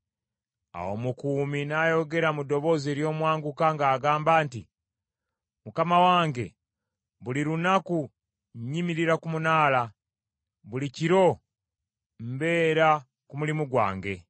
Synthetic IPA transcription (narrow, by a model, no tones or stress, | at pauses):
a̰wo̰mukuːminaːjo̞ɡe̞ɾamudo̞βo̞ːzeɾjo̞ːmwaːŋɡukaŋɡaːɡaːmbaːnti | mukamawaːŋɡe̞ | βuliɾunaku | ɲɲimiɾiɾakumunaːla | βuliciɾo̞ | mbe̞ːɾa | kumulimuɡwa̰ːŋɡe̞̰